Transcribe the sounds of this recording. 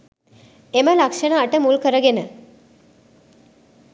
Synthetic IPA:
eməlakʂɐɳaːʈəmulkəɾəɡenə

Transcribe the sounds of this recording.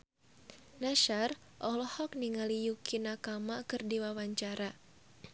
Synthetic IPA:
naʃar | ʔɔhlɔhɔk̚niŋalijukinakamakɨrdiwawaɲt͡ʃaɾa

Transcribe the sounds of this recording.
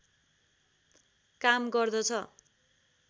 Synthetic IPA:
kamɡʌrd̪ʌt͡sʰʌ

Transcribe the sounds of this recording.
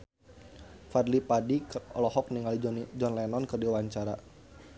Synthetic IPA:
farlipadikɔ̰lɔhɔk̚niŋalid͡ʒɔnlɛnɔnkɨrdiwaɲt͡ʃaɾa̰

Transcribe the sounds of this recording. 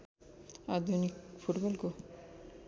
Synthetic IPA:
ad̪ʱunikfuʈbɔlko

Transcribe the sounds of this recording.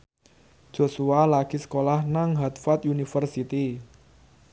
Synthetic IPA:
ʒ̥o̤sualaɡ̥isə̥kolahnaŋɦat̪fat̪unifərsit̪i

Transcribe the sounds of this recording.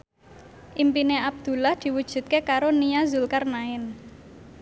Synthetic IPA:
ʔimpineab̚d̪̥ṳlahd̪̥i̤wud̥ʒ̥ṳt̪̚kekaɾoniazulkarnaɪn

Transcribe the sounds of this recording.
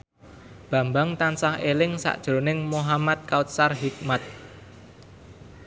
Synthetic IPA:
b̥a̤mbaŋt̪ansahelɪŋsa̰ʔd̥ʒ̥ɾo̤nɪŋmoɦamat̪̚kaut̪̚sarɦik̚mat̪̚

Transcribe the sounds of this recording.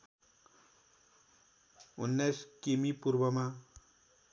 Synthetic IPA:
unːajskemipurbʌma

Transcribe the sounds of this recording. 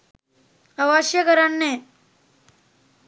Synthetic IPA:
əʋaɕjəkəɾanːẽ

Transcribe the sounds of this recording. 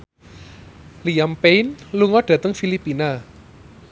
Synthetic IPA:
lijampejnluŋɔɖ̥ä̤t̪əŋfilipina

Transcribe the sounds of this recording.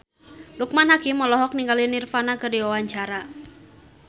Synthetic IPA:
duk̚manɦakimːɔlɔɦɔk̚niŋɡalinirfanakɨrdiwawaɲt͡ʃaɾa

